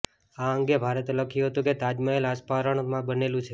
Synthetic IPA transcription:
aəŋɡebʱaɾət̪oləkʰijũɦət̪ũket̪ad͡ʒməelaspaɾəɳmãbənelũt͡ʃʰe

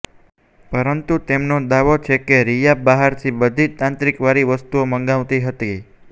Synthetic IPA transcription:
pəɾənt̪ut̪emnod̪aʋot͡ʃʰekeɾijabaɦaɾt̪ʰibəd̪ʱit̪ãnt̪ɾikʋaɾiʋəst̪uoməŋɡaʋt̪iɦət̪i

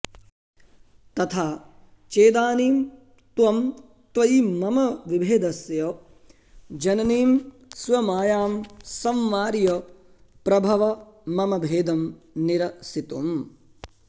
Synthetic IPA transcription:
t̪ɐt̪ʰaː | t͡ʃeːd̪aːniːm | t̪ʋɐm | t̪ʋɐjmɐmɐʋibʱeːd̪ɐsjoː | d͡ʒɐnɐniːm | sʋɐmaːjaːmsɐmʋaːɾjo | pɾɐbʱɐʋɐmɐmɐbʱeːd̪ɐm | niɾɐsit̪um

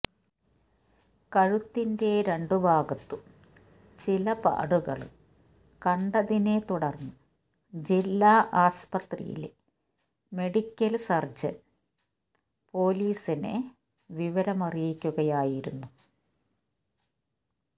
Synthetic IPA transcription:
kɐɻut̪ːinde̞ɾe̞ɳɖubʱaːɡɐt̪ːu | t͡ɕilɐpa̰ːɽuɣɐ̰ɭ̰ | kɐɳɖɐðine̞t̪uɽɐrnːu | d͡ʑilːaːʔaːspɐt̪rḭjḭl | me̞ɽikʲːɐlsɐrd͡ʑɐ̰n | po̞ːliːsinḛ | ʋiʋɐɾɐmɐrijikʲːuɣɐjaːjiɾunːu

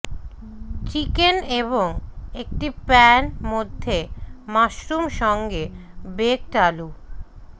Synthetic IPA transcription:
t͡ɕikeneβoŋek̚ʈipɛnmod̪ʱːemaʃɾumʃɔŋɡebek̚ʈalu

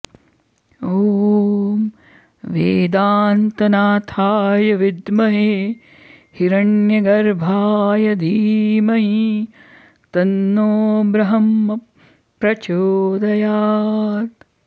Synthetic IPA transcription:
oːm | ʋeːd̪aːnt̪ɐnaːt̪ʰaːjɐʋid̪mɐɦeː | hiɾɐɳjɐɡɐɾbʱaːjɐd̪ʱiːmɐɦi | t̪ɐnːoːbɾɐɦɐmːɐ | pɾɐt͡ʃoːd̪ɐjaːt̪

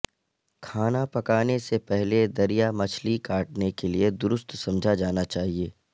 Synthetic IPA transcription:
kʰaːnapɐkaːnesepɛɦled̪ɐɾijamɐt͡ʃʰlikaːʈ̚nekelied̪ʊɾʊst̪sɐ̃md͡ʒʱad͡ʒaːnat͡ʃaːɦieː

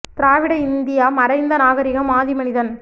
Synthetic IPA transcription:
t̪ɪɾaːʋɪɽɐɪnd̪ɪjaːmɐɾɐɪnd̪ɐnaːɣɐɾɪɣɐmaːðimɐnɪðɐn

